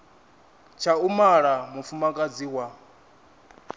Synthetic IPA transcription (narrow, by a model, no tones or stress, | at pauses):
t͡ʃʰaumaɺamufumakʼad͡ziwa